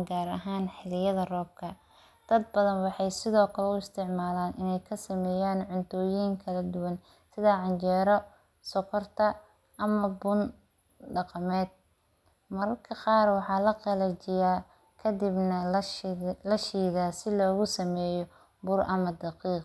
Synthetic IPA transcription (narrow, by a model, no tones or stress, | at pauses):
ɡaːɾɐ̰ɦaːnħɪlɪjɐðɐrɔːb̚kʰɐ | d̪̥ɐd̪̚bɐðɐnwɑħɑjsɪðɔːkʰɐlɛʊɪst̪ʰɪʕmaːlaːnʔɪnɛjkʰɐsɐmɛːjaːnʕʊnt̪ʰɔːjiːŋkʰɐlɐd̪ʊwɐn | sɪðɐʕɑnt͡ʃɛːɾɔ | sɔkʰɔrt̪ʰɐ | ʔɐmɐbʊn | ɖɑqɑmɛːd̪̚ | mɐɾɐrkʰɐqɑːrwɑħɑːlɐqɛlɛt͡ʃɪjaː | kʰɐd̪ibnɐ | lɐʃiːɣaːsɪlɔːɣʊsɐmɛːjɔ | bʊrʔɐmɐd̪ɑqiːq